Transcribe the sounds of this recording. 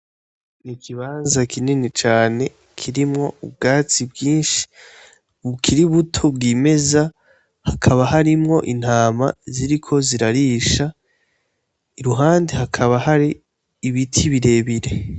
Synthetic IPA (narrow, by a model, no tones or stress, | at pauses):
nikʰiβaːnzakʰininit͡ʃaːne̞ | kʰiɾimŋo̞ub̚ɡaːt͡sibɡiːnʃi̥ | βukʰiɾiβutʰobɡime̞za | hakʰaβaɦaɾimŋo̞ʔin̥haːma̰ziɾikʰo̞ziɾaɾiʃa | iɾuɦaːndehakʰaβahaɾiː | βitʰiβiɾe̞βiɾe̞